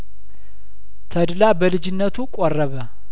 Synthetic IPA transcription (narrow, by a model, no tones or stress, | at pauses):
t̪ʰəd̪labəlɨd͡ʒɪnːət̪ʰukʼoɔrːəβə